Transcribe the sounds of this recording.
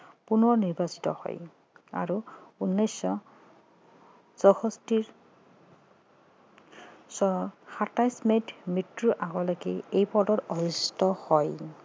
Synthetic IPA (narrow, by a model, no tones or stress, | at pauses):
punɔɹniɹbasi̥tɔ̰hɔ̰j | a̰ɹuunːɔjsɔ | zɔxɔstiɹ | sɔxatajsmetmitɹuʔaɡɔlakɛ̰ejpɔdɔtɔɹistɔhɔj